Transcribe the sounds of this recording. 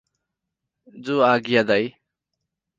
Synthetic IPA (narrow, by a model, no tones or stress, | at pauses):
zuaɡijad̪aj